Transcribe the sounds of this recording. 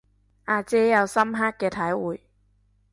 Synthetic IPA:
ʔaː˧t͡sɛː˥jɐ˨˧wsɐ˥mɦaː˥kːɛː˧t̪ʰɐ˨˥jwuː˨j

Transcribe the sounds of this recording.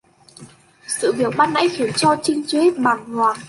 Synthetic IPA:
sɨ̰˧˨vi˨˩əwɓaː˧nːa̰˧˥jxi˨˧˩ənt͡ɕɔ˧t͡ɕï˧ŋ̟t͡ɕwi˨˦ɓaː˨˩nŋwaː˨˩

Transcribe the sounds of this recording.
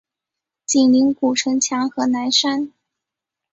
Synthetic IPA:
t͡ɕi˨˩nli˧˥ŋku˨˩ʈ͡ʂʰɤ˧˥ŋt͡ɕʰjɑ˧˥ŋxɤ˧˥na˧˥nʂa˥n

